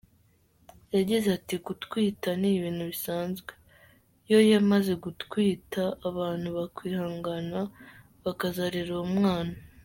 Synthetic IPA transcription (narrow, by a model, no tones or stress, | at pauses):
jaɟizatikutkwiːtaniːβiːn̥huβisaːnzɡwe | jo̞jamaze̞ɡutkwiːtaːβaːn̥huβakwiːhaːŋɡana | βakazaɾiɾoumŋaːna